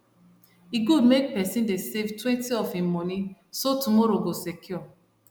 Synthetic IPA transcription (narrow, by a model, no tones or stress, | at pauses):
iɡudmek̚pɛsĩndesevtwɛ̃ntiɔfĩmɔ̃nĩsotumɔɾoɡosekʰjɔ